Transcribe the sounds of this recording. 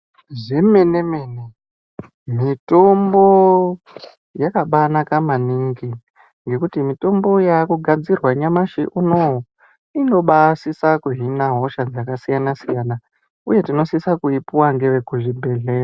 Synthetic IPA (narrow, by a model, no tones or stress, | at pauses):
ʐe̞me̞nemene | mitombo̞ | jakaɓanakamaniŋɡi | ŋɡe̞kutimito̞mbo̞jakuɡʱad͡zirwaɲamaʃiʔuno | ino̞ɓasisakuɦinaɦo̞ʃad͡zakasijanasijana | uje̞tino̞sisakuipuwaŋɡe̞ʋekuʐibʱe̞ɮeːa